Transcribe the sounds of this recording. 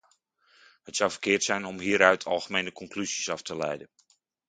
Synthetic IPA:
hətsawfərkɪətsɛjnɔmɦiəɾœɥtʰɑ̰lˠɣəmeːnəkʰɔŋkʰlysisɑftʰəlɛ̰jdən

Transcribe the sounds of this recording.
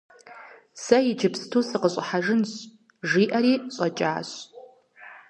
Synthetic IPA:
sɐjɪd͡ʒɪpʰstʰusɨqəɕʼħaʒɨnɕ | ʒiːʔɐɾiːɕʼɐt͡ʃʼa̰ːɕ

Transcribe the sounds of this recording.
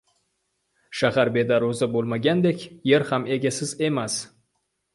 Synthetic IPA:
ʃahaɾbe̞d̪aɾozabolˠmaɡʲand̪e̞kʲje̞ɾhame̞ɡʲasɪze̞mas

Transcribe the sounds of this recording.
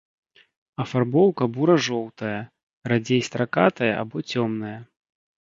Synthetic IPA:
ɐfarbɔwkɐbuɾɐʐɔwt̪ɐjɐ | rad͡zʲejst̪ɾakat̪ɐjɐʔa̰bɔt͡sʲɔmnɐjɐ

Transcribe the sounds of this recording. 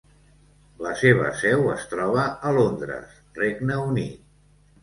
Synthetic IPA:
ləseβ̞ə̰sɛwəst̪ɾɔβ̞əəlond̪ɾə̰s | reɡnəunit̪̚

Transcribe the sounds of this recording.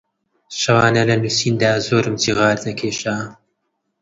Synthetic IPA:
ʃɐwɑːnɐlɐnusiːnd̪aːzoːɾɨmt̪ʰiʁɑːɾd̪ɐkʰeːʃaː

